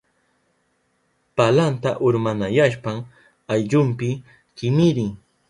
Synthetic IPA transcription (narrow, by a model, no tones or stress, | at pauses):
palant̪aʔʊɾmanajaʃpaŋ | ajʎʊmpɪ | kɪmɪɾɪŋ